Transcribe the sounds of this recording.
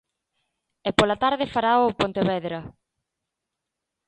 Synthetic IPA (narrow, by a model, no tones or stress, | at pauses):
ɛpolɐt̪aɾðɪfaɾaʊpont̪eβɛðɾɐ